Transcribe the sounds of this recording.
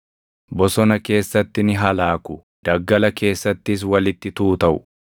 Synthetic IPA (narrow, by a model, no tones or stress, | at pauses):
bɔsɔnɐke̞ːsːɐt̪ːɪnɪɦɐlaːkʊ | d̪̥ɐɡːɐlɐke̞ːsːɐt̪ːɪs̬wɐlɪt̪ːɪt̪uːt̪ɐʔʊ̥̰